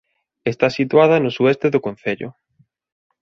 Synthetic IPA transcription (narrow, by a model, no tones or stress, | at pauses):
est̪asit̪waðɐnʊsuɛst̪eðʊkon̟θeʎʊ̰